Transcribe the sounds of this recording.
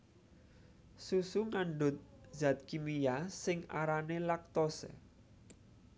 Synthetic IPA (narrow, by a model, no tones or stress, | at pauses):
susuŋaɳɖʊ̤t̪̚za̤t̪̚kimijasɪŋaɾanelak̚t̪osḛ